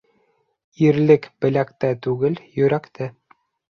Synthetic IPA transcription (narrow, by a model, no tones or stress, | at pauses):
iɾlɘkbɘ̆lækt̪æt̪ʉɡɘljɵ̆ɾækt̪ʰɘ